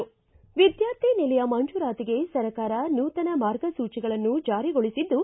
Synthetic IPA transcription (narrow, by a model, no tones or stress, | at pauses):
ʋid̪jaːɾt̪ʰinilɐjɐmɐnd͡ʒuːɾaːt̪iɡe̞sɐɾɐkaːɾɐnuːt̪ɐnɐmaːɾɡɐsuːt͡ʃiɡɐɭɐnːud͡ʒaːɾiɡoɭisid̪ːu